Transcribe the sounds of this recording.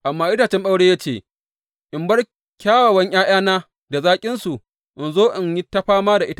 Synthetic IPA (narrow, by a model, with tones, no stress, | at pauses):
ʔa˨mːaː˦ʔɪ˦taː˨t͡ʃɛ˦mɗa˦wɽeː˦jaː˦t͡ʃeː˦˨ | ʔɪ˨mbɐ˦r | kʲaː˦wa˨wɐ˦ɲʔaː˦j̰aː˦naː˦ | da˨zaː˦kʲʼɪ˦nsu˨ | ʔɪ˨nzoː˦ʔɪ˨ɲjɪ˦tːɐ˦ɸaː˦maː˦da˨ʔɪ˦ta˦˨